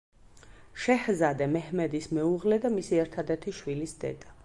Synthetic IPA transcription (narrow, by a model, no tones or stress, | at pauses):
ʃɛhzad̪ɛmɛhmɛd̪ismɛuʁlɛd̪amisiɛɾt̪ʰad̪ɛt̪ʰiʃwilisd̪ɛ̰d̪̥a